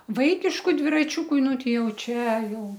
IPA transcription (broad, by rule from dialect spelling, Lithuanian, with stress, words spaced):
ˈʋɐɪkʲɪʃkʊ dʲʋʲɪrɐˈt͡ʃʲuːkʊ ˈnʊ ˈtʲɛɪ ˈjɛʊ ˈt͡ʃʲæːˈjɛʊ